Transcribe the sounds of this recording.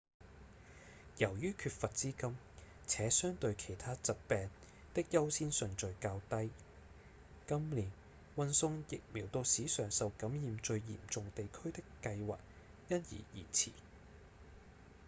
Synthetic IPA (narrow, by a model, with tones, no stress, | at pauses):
jɐ˨˩wjyː˥kʰyː˧t̚fɐ˨t̚t͡siː˥kɐ˥m | t͡sʰɛː˨˥sœː˥ŋt̪ɵ˧ɥkʰe˨˩jt̪ʰaː˥t͡sɐ˨t̚pɛː˨ŋ | t̪ɪ˥k̚jɐ˥wsiː˥nsɵ˨ŋt͡sɵ˨˧ɥkaː˧wt̪ɐ˥j | kɐ˥mliː˨˩n | wɐ˧nsʊ˧ŋjɪ˨k̚miː˨˩wt̪o˧wsiː˨˥sœː˨ŋsɐ˨wkɐ˨˥mjiː˨˧mt͡ʃɵ˧ɥjḭː˨˩mt͡sʊ˨ŋt̪e˨jkʰɵ˥ɥt̪ɪ˥kːɐ˧jwa̰ː˨k̚ | jɐ˥njḭː˨˩jḭː˨˩t͡sʰḭː˨˩